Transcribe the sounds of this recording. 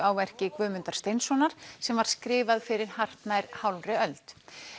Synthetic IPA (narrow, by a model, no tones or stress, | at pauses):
awvɛr̥cɪkvʏːmʏnt̪aɾ̥st̪ejnsɔnaɾ̥sɛmvaɾ̥skɾɪːvaðfɪɾɪɾ̥har̥t̪najɾhawlrɪœlt̪